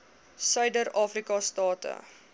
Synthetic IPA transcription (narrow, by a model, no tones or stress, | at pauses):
sœɥdəɾɑːfrikɑstɑːtə̰